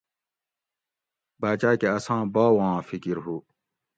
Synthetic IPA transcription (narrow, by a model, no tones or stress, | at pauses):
baːt͡ɕaːkeɐsãːbaːwãːfikiɾɦu